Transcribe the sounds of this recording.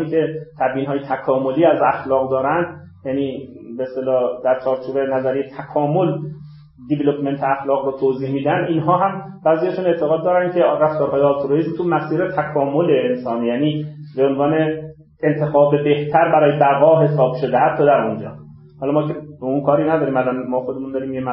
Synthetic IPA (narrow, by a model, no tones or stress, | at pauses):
ikʰe̞t̪ʰæbjiːnɦɒːjet̪ʰækʰɒːmoliːæzæxlɒːɣd̪ɒːɾænd̪ | jæniːbeest̪elɒːd̪̥æɾt͡ʃʰɒːɾt͡ʃʰuːbenæzæɾejet̪ʰækʰɒːmol | d̪evelopʰment̪ʰeæxlɒːɣɾoːt̪ʰoːziːhmiːd̪ænd̪inɦɒːɦæm | bæːzijæʃuːne̞ʔt̪ʰeɣɒːd̪ːɒːɾænkʰe̞ræft̪ɒːɾɦɒːjeɒlt̪ʰoɾoizmt̪ʰumæsiːɾet̪ʰækʰɒːmoleːnsɒːniːjæːniːbeonvɒːne̞ː | nt̪ʰexɒːbebe̞ht̪ʰæɾbæɾɒːjebæɣɒːɦe̞sɒːb̥ʃo̞d̪ehat̪ʰːɒːd̪æɾond͡ʒɒ̰ː | hɒlɒmɒːkʰeeunkʰɒːɾinæd̪ɒːɾimælanmɒːxod̪emund̪ɒːɾimjem